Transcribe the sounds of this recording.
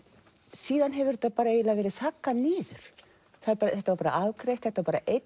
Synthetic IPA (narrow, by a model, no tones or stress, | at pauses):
siːðanɦɛvɪɾt̪ːapaːɾaeːjlavɛːɾɪθakːaniːðʏɾ̥ | θaðθɛht̪avaɾpaːɾa̰aːvkʰɾejht̪θɛht̪avaɾpaːɾa̰ʔejt̪